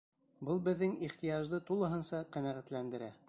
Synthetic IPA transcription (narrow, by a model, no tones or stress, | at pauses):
bɤlˠbɘ̆ðːɘŋiχt̪ijɑʒd̪ɤt̪ulˠɤ̆ɦɤ̆nsɑqænæʁæt̪lænd̪ɘ̆ɾæ